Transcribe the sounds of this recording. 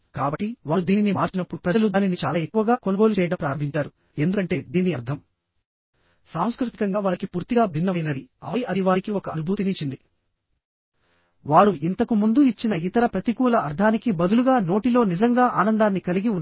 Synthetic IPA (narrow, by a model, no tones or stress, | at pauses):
kaːbɐʈːiʋaːɾud̪iːninimaːɾt͡ʃinɐpːuɽupɾɐd͡ʒɐlud̪aːninit͡ʃaːlaːekːuʋɐɡaːkonɐɡo̞ːlut͡ʃɛːjɐɽɐmpɾaːɾɐmbʱiɲt͡ʃaːɾu | e̞nd̪ukɐɳʈe̞ːd̪iːniɐɾd̪ʱɐm | saːmskɾut̪i̥kɐŋɡaːʋaːɾikipuːɾt̪iɡaːbʱinːɐɐjɐnɐd̪iɐ̰ɐjɐd̪iʋaːɾikiɔkɐɐnubʱuːt̪init͡ʃːind̪i | ʋaːɽuʔint̪ɐkumund̪uit͡ʃːinɐit̪ɐɾɐpɾɐt̪ikuːlɐɐɾd̪ʱʰaːnikibɐd̪uluɡaːno̞ːʈilo̞ːnid͡ʒɐŋɡaːʔaːnɐnd̪aːnːikɐliɡiunː